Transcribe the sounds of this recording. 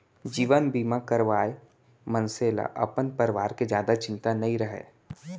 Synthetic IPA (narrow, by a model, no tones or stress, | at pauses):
d͡ʒiːʋənbiːmakəɾʋaːe | mənseːla̰ʔɐ̰pənpəɾɪʋaːɾked͡ʒjaːd̪at͡ʃɪ̃nt̪anɐĩɾəɦḛː